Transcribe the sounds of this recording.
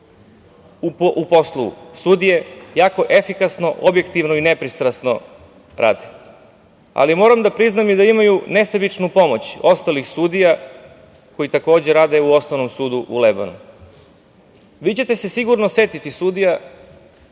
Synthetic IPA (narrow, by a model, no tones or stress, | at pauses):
upo̞slˠoṵsud̪ije̞jaːko̞ʔefikasno̞ʔobje̞kt̪iʋnoine̞pɾist̪ɾasno̰ | ɾa̰ːd̪e | a̰limo̞ːɾamd̪apɾiznamid̪aimajune̞sebit͡ʂnupo̞mo̞t͡ɕo̞st̪alixsuːd̪ija | kʰo̞jit̪ako̞ːd͡ʑeɾaːd̪e̞uo̞snoʋno̞msuːd̪uʔṵleba̰nṵ | ʋiːt͡ɕe̞t̪e̞se̞siɡuɾnose̞t̪it̪isud̪ija